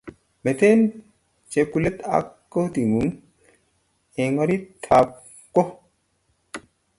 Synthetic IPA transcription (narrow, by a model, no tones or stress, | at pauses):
met̪eːn | t͡ʃepulet̪a̰kːot̪iŋun | eŋoɾitt̪ʰːaː | kːo